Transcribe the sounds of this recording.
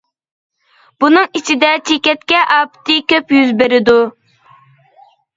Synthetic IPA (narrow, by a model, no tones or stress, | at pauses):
b̥unɨŋit͡ʃʰid̪ɛt͡ʃʰekʲɛt̪̚kʲɛʔɑːpt̪ʰɨkʲøpjyzbeɾɪd̪u